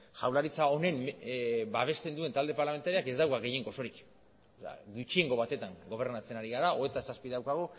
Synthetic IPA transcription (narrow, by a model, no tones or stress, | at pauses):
ʝawlaɾit͡sao̞ne̞m | baβ̞e̞st̪e̞nd̪ue̞nt̪ald̪e̞paɾlame̞nt̪aɾiake̞zd̪awkaɣe̞je̞ŋɡo̞so̞ɾik | a̰ɡut͡ʃie̞ŋɡo̞βat̪e̞t̪aŋɡo̞βe̞ɾnat͡se̞naɾiɣ̞aɾao̞e̞t̪asaspiðawkaɣo